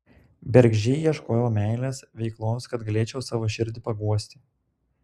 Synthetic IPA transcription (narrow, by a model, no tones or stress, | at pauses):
bʲɛɾʲɡʲʒʲɛɪjiɛʃkoːjɛoːmʲæɪlʲeːsʋʲɛɪklˠoːskɐt̪ɡɐlʲeːt͡ʃʲɛʊsɑːʋoːʃʲɪɾʲd̪ʲɪpɐɡuɔsʲt̪ʲɪ